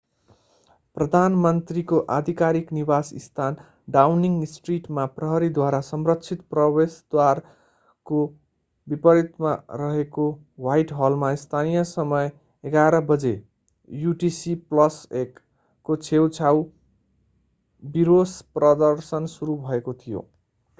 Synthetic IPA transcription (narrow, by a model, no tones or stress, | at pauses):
prʌd̪ʱanmʌnt̪rikoʔad̪ʱikaɾiknibasḭst̪ʰan | ɖawniŋɡsʈriʈmaprʌɦʌɾid̪waɾasʌmrʌkt͡sʰit̪prʌbesd̪̥war | ko | bipʌɾit̪ma̰ɾʌɦeko | wajʈɦʌlmaist̪ʰanijʌsʌmʌj | eɡaɾʌbʌd͡ze | juʈisiplʌsekː | ot͡sʰewt͡sʰaw | biɾosprʌd̪ʌrsʌnsuɾubʱʌekot̪ʰijo̰